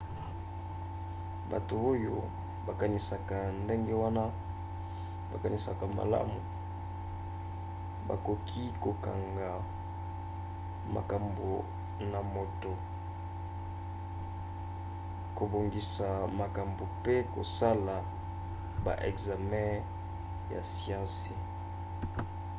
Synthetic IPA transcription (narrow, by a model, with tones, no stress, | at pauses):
ba̰˨to˨o˦jo˦ | ba˨ka˨ni˨sa˨ka˨nde˦ŋɡe˦wa˦na˦ | ba̰˨ka˨ni˨sa˨ka˨ma̰˨la̰˦mu˨ | ba̰˨ko˨kʰi˦ko˨ka̰˨ŋɡa˨ | ma̰˨ka˨mbo˨ | na˨mo˨to˨ | ko˨bo˨ŋɡi˨sa˨ma˨ka˨mbo˨pe˦ko̰˨sa˦la˨ | ba̰˨ʔɛ˨kza˨mɛ̃˦ | ja̰˨sijã˦se˨